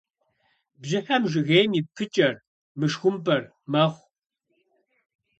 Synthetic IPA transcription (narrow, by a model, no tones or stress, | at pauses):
bʑɪħɐmʒɪɣejmiːp̚pʰɨt͡ʃʼɐr | mɨʂxʷʊmpʼɐr | mɐχʷ